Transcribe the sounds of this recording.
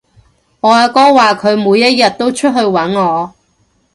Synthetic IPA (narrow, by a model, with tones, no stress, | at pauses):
ŋɔː˨˧aː˨˧kɔː˥waː˨kʰɵ˨˧ɥmuː˨˧jːɐ˥t̚jɐ˨t̚t̪o˥wt͡ʃʰɵ˥t̚ɦɵ˧ɥwɐ˨˥nŋɔː˨˧